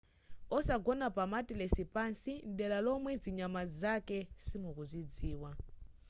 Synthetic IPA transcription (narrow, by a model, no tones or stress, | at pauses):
ɔsaɡɔnapamatʼilɛsipansindɛlalɔmwɛd͡ziɲamazakɛsimukuzid͡ziːwa